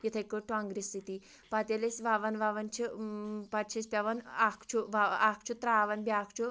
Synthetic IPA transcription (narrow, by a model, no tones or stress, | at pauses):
jit̪ʰɐjkəʈuaŋɡɾist̪it̪i | pat̪elesʋaʋɐnʋaʋɐnt͡ʃʰipat͡ʃʰispʲaʋɐnakʰt͡ʃʰuʋaakʰt͡ʃʰut̪ɾaːʋɐnbʲakʰt͡ʃu